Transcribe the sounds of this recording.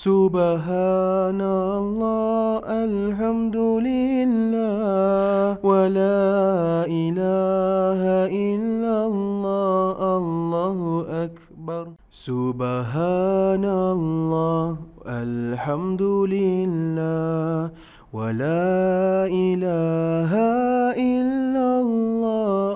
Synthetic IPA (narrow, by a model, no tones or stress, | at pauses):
sʊbɦanalˤːɑːʔal | ħamd̪ʊlɪlːaːwalaːʔɪlaːɦaʔɪlːalˤːɑːʔalˤːɑːhʊʔak | bɑɾˤ | sʊbaɦaːnalˤːɑːʔalħamd̪ʊlɪlːaː | walaːʔɪlaːɦaʔɪlːalːɑː